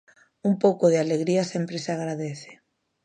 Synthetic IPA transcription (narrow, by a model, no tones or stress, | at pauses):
umpowkʊðɪaleɣɾiɐsempɾesaɣ̞ɾaðeθe̥